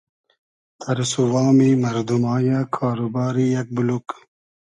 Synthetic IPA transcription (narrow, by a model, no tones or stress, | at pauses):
t̪ʰɐɾsuwɑːmimɐɾd̪umaːjakʰaːɾubaːɾijɐk̚buluk